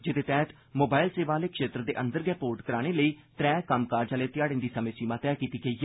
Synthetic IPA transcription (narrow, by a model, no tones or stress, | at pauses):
d͡ʒɪt̪eːt̪ɛːt̪ | moːbaːɪlseːʋaːleːkʃeːt̪ɾəd̪ḛːʔənd̪əɾɡɛːpoːɾʈkəɾaːɽ̃eːləiːt̪ɾɛːkəmkaːɾd͡ʒaːleːt̪ɪjaːɽɪ̃nd̪iːsəmẽːsiːmãːt̪ɛːkiːt̪iːɡəiː